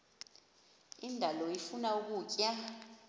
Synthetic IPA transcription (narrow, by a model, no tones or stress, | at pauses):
indʱalɔifunauk̬uːcʼa